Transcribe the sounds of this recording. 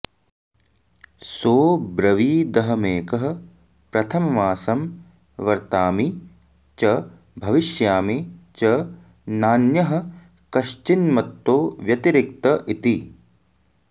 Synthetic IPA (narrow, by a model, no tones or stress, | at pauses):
soːbɾɐʋiːd̪ɐɦɐmeːkɐɦɐ̆ | pɾɐt̪ʰɐmɐʋaːsɐm | ʋɐɾt̪aːmi | t͡ʃɐ | bʱɐʋiʃjaːmit͡ʃɐ | naːnjɐɦɐ̆ | kɐʃt͡ʃinmɐt̪ːoːʋjɐt̪iɾɪk̚t̪ɐʔit̪i